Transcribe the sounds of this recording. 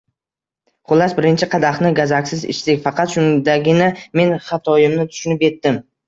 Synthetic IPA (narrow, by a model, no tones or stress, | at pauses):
χʊlːasbɪɾɪnt͡ʃʰɪqʰɑd̪ɑχnɪɡazakʲsɪzɪ̰ʃt̪ɪkʲfɑqɑt̪ʃʊnd̪aɡʲɪnɪme̞nχɑt̪ʰɒjɪmnɪt̪ʰʊ̥ʃʊnɪpe̞t̪ːɪm